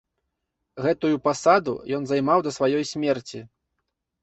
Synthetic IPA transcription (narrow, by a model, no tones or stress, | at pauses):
ɣɛt̪ujupasad̪ṵjɔn̪zajmawd̪ɐsvajɔjsʲmʲɛrt͡sʲi